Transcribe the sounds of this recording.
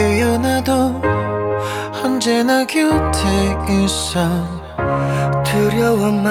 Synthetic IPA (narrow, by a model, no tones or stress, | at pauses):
ejʌnado | hʌnd͡ʑenaɡiɭtʰeisʌ | tʰɯɾjʌwʌnma